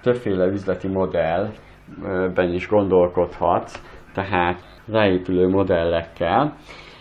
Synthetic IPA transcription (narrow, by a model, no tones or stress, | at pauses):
t̪ø̞pfeːlɛyzlɛt̪imo̞d̪ɛl | bɛniʒɡo̞nd̪o̞lko̞t̪hɒt̪ːɛɦaːt̪ | raːeːpyløːmo̞d̪ɛlːɛkːɛl